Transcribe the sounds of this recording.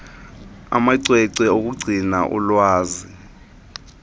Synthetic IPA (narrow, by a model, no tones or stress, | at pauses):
a̰maǀwɛǀɛok̬uɡ͡ǀʱinaʔɔ̰lwaːzi